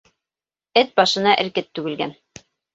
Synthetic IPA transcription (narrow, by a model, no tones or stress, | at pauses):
ɘt̪̚bɑʃɤ̆nɑʔɘ̆ɾkɘt̪ːʉɡɘ̆lɡæn